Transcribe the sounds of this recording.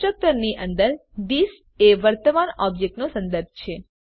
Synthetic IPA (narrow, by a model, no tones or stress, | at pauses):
ək̚t̪əɾniʔənd̪əɾd̪is | eʋəɾt̪əmanɔbjek̚ʈnosə̃nd̪əɾb̚ʱt͡ʃʰe